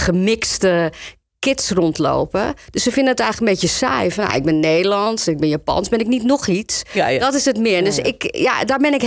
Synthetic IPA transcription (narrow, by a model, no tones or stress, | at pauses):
χəmɪkstə | kɪtsrɔntlo̰ːpədøssəfɪndənətɛjxəkəmbetəsɛ̰jfɔnja̰ɪɡ̚bɪnːeːdəlɔntsɛnɪɡ̚bɪnjapɔ̰nsbɪnɪk̚nitnoxisdɔtɪsətmɪədøsɪkja̰daɹbɪnɪk